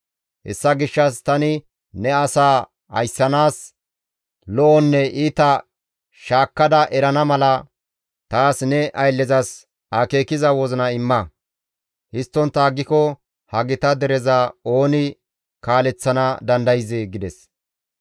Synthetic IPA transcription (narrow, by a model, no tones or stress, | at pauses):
hɛ̰sːɐɡɪʃːɐst̪ɐnɪ | nɛɐsaː | ɐ̰jsːɐnaːs | lɔʔɔnːɛʔiːt̪ɐ | ʃaːkːɐd̪ɐʔɛɾɐnɐmɐlɐ | t̪aːsnɛʔɐjlːɛzɐs | ɐkeːkɪzɐwɔzɔnɐɪmːɐ | hɪst̪ːɔnt̪ːɐːɡːɪkɔ | hɐɡɪt̪ɐd̪ɛɾɛzɐo̞ːnɪ | kaːlɛt͡sːɐnɐd̪ɐnd̪ɐjzɪɡɪd̪ɛs